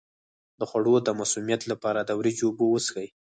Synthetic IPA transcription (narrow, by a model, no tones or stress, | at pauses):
d̪əxwaɽod̪əmasumjat̪lapɑɾad̪awɾid͡ʒobowəsxəj